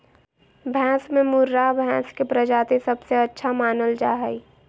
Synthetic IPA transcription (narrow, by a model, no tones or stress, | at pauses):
bʱɛ̃ːsmẽmʊɾːabʱɛ̃ːskepɾəd͡ʒaːt̪esɐbseɐtːʃʰamaːnəld͡ʒaːɦɛi